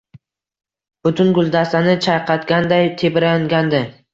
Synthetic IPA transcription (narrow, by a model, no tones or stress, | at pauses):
b̥ʊt̪ʰʊnɡʊlˠd̪ast̪anɪt͡ʃʰajqʰɑt̪ɡʲand̪ajt̪ʰebɪɾaŋɡʲand̪ɪ